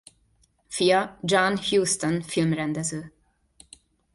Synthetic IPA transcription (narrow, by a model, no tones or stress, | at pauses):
fiːad͡ʒɑnhjuːst̪ənfɪlmɾɛnd̪ɛsʉː